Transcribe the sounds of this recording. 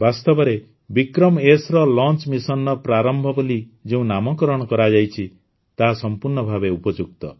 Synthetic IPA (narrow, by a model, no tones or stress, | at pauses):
bast̪ɔbɔɾe | bikɾɔmesɾɔlɔnt͡ʃmisɔnːɔpɾaɾɔmbʱɔbɔlid͡ʒeũnamɔkɔɾɔɽ̃ɔkɔɾad͡ʒajt͡ʃʰi | t̪aɦsɔmpuɾɳɔbʱabeupɔd͡ʒuk̚t̪ɔ